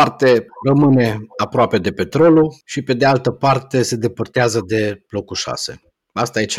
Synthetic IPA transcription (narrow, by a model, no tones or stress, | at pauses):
art̪e̞rəmɨne̞apɾoape̞d̪e̞pe̞t̪ɾo̞luʃipe̞d̪ealt̪əpart̪e̞se̞d̪e̞pərt̪eazəd̪e̞b̥lo̞kuʃa̰se̞̰ | ast̪ajet͡ʃ